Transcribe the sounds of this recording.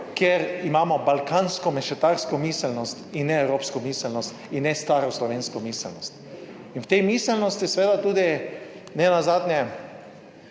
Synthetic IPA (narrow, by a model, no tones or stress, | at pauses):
kjeɾimaːmɔbalkaːnskɔmɛʃɛt̪aɾskɔmisɛlnɔst̪inːɛɛwɾoːpskɔmiːsɛlnɔst̪inːɛst̪aːɾɔslɔʋeːnskɔmisɛlnɔst̪ | inwt̪ejmisɛlnɔst̪isʋeːd̪at̪uːd̪i | nɛnazaːd̪nʲjɛ